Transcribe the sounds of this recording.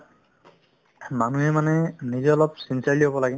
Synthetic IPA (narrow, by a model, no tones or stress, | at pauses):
manuɦɛmanɛnizlɔpsinsaɹliobɔlaɡɛn